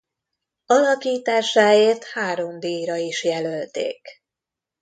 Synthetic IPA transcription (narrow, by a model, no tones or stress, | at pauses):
ɒlɒkiːt̪aːʃaːjeːrt̪haːɾo̞md̪iːjɾɒiʃjɛlølt̪ḛːk